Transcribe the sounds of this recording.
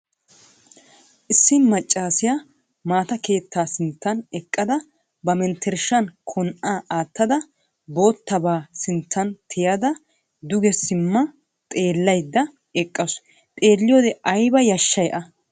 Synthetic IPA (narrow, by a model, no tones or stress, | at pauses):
ʔɪsːɪmɐt͡ʃʼːaːsɪja | maːt̪ɐke̞ːt̪ːaːsɪnt̪ːɐnɛkʼːɐd̪ɐ | bɐmɛnt̪ʰːɛɾʃɐnkʰɔnʔaːʔaːt̪ːɐd̪ɐ | bo̞ːt̪ːɐbaːsɪnt̪ːɐnt̪ʰɪjɐd̪ɐ | d̪ʊɡɛsɪmːɐ | t̪ʼe̞ːlːɐjd̪ːɐ | ɛkʼːɐs | t̪ʼe̞ːlːɪjoːd̪ɛʔɐjbɐjɐʃːɐjʔɐ